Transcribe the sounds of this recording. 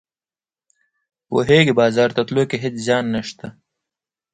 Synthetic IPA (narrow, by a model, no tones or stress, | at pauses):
wo̰ɦeːɡibɑːzɑːɾt̪ɐt̪loːkeɦed̪zjɑːnːɐʂt̪a